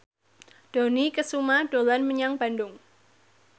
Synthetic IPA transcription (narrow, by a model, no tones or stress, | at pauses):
d̥onikəsumaɖ̥olanməɲaŋb̥andʊŋ